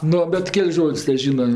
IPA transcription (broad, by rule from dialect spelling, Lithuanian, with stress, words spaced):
ˈnʊ bʲɛt ˈkʲɛlʲsʲ ˈʒoːtʲsʲ tʲɛˈʒʲiːnɐ